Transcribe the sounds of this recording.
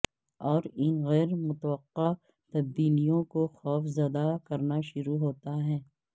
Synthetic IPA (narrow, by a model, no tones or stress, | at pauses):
ɔːɾɪnɣɛːɾmʊt̪ʋəqːa | t̪ɐb̪ːiːnijõkoxɔːfzɐd̪akɐɾnaʃʊɾuɦoːt̪aɦɛ̃ː